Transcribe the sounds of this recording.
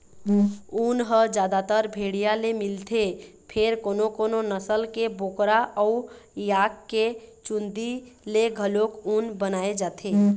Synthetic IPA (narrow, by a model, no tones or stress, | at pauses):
unɦəd͡ʒad̪at̪əɾbʱeɽijalemilt̪ʰepʰeɾkonokononəsəlkebokɾaɔujakːet͡ʃund̪ileɡʱəlokunbənaed͡ʒat̪ʰe